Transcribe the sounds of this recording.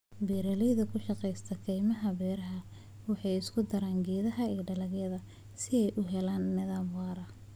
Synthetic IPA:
bɛːɾɐlɛjðɐkʰʊʃɑqɛjst̪ʰɐkʰɛjmɐɦɐbɛːɾɐɦɐ | wɑħɑjɪskʰʊd̪ɐɾaːŋɡɛːðɐɦɐiːɖɐlɐɡjɐðɐ | sɪɛjʔʊɦɛlaːnːɪðaːmwɑːɾɐ

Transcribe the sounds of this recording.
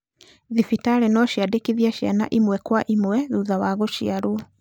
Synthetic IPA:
ðifitaɾɛnɔʃjadekiðiaʃja̰na̰ʔimwɛkwaʔimwɛðuðawaɣoʃiaɾwɔ

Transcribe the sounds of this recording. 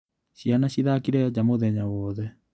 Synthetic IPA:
ɕianaɕiðakiɾɛad͡ʑamoðɛɲawɔːðɛ

